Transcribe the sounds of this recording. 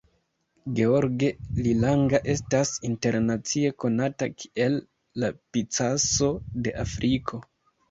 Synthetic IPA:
ɡe̞oɾɡe̞lilaŋɡaʔe̞stasinte̞ɾnat͡sie̞ko̞natakʰi̥ʔe̞lː | apit͡saso̞de̞ʔafɾʔikʰo̞

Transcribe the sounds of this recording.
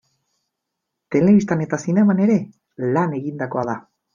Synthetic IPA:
t̪e̞le̞βist̪ane̞t̪asinemane̞ɾe̞ | lane̞ɣind̪ako̞aða

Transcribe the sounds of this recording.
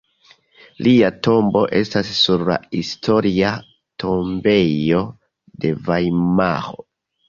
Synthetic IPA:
lʔiato̞mbo̞ʔe̞stasːuɾla̰histo̞ɾia | tʰo̞mbe̞jo̞ | de̞vajma̰ɾo̞̰

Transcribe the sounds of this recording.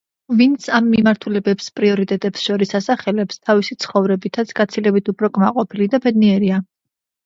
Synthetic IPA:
vint̪sʰamːimaɾt̪ʰulɛbɛpspʼɾiɔɾit̪ʼɛt̪ʼɛpsʃɔɾisasaχɛlɛpst̪ʰavisit̪sʰχɔvɾɛbit̪ʰat̪sʰɡ̥at̪sʰilɛbit̪ʰupʰɾɔkʼmaqʼɔpʰilid̪abɛd̪niɛɾia

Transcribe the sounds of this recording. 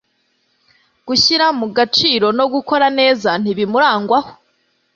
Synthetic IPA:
ɡ̥uçiɾamuɡat͡ʃiːɾo̞no̞ɡuko̞ɾane̞ːzan̥iβimuɾaːŋɡwaho̥

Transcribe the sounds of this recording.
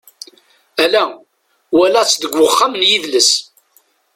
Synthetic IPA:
ælæ | wælæt͡sːd̪əɡʷːəχːamənjiðləs

